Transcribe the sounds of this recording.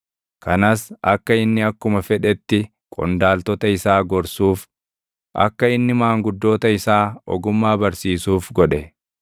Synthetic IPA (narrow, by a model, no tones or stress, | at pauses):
kɐnɐsɐkːɐɪnːɪɐkːʊmɐfɛᶑɛt̪ːɪ | kʼɔ̰nd̪aːlt̪ɔt̪ɐɪsaːɡɔɾsuːf | ʔɐ̰kːɐɪnːɪmaːŋɡʊd̪ːo̞ːt̪ɐɪsaːɔ̰ɡʊmːaːbɐɾsiːsuːfɡɔᶑɛ